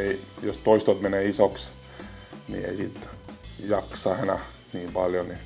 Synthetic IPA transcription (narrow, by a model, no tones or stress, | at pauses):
eijost̪oist̪ot̪meneːisoks | nḭḛisit̪jɑksɑːenæ | niːmb̥ɑljoni